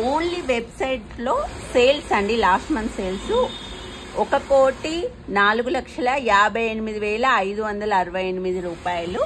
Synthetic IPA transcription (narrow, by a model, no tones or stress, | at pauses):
oːnliʋebsɐjʈlo̞ːseːlsɐɳɖilaːsʈmɐnt̪ʰseːlsu | ɔkɐkoːʈi | naːluɡulɐkʂɐlɐjaːbʱɐjenimid̪iʋɛːlɐːjd̪uʋɐnd̪ɐlɐːɾɐʋɐjenimid̪iɾuːpaːjɐlu